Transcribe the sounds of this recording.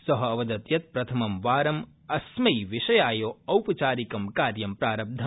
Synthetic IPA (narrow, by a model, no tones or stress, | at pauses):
sɐɦɐɐʋɐd̪ɐt̪jɐt̪̚pɾɐt̪ʰɐmɐmʋaːɾɐm | ɐsmɐjʋiʃɐjaːjoːɐwpɐt͡ʃaːɾikɐmkaːɾjɐmpɾaːɾɐb̚d̪ʱɐ